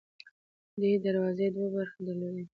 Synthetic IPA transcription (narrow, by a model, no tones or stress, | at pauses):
d̪ed̪aɾwɑzed̪wabaɾxd̪əlad̪e